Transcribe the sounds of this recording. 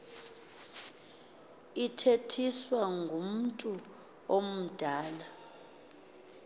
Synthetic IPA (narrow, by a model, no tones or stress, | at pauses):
itʰetʰiswaŋɡʱum̩tʼu | om̩d̥ʱaːla